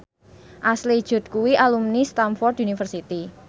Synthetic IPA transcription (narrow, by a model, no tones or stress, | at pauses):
ʔaslid̥ʒ̥ʊ̤t̪̚kuwiʔalumnist̪amfɔrd̪unifərsit̪i